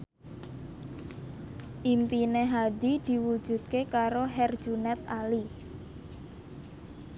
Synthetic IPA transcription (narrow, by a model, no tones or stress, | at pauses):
ʔimpineɦad̪id̪̥i̤wu̥d͡ʒ̥ṳd̪̥̚kekaɾoɦɛrd̥d͡ʒunɛt̪ali